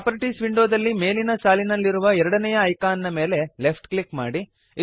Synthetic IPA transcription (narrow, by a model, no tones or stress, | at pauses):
apɐɾiʈisʋiɳɖoːd̪ɐlːime̞ːlinɐsaːlinɐlːiɾuʋɐɛɾɐɽɐnɛjɐːjkaːnːɐme̞ːle̞le̞pʰʈklikmaːɽi